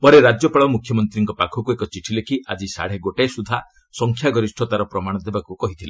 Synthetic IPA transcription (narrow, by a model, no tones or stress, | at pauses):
pɔɾeɾad͡ʒjɔpaɭɔmukʰjɔmɔnt̪ɾiŋkɔpakʰɔkuekɔt͡ʃiʈʰilekʰiʔad͡ʒisa̰ɽ̤eɡoʈesud̪ʱa | sɔŋkʰjaɡɔɾisʈʰɔt̪aɾɔpɾɔmaɽ̃ɔd̪ebakukɔɦit̪ʰile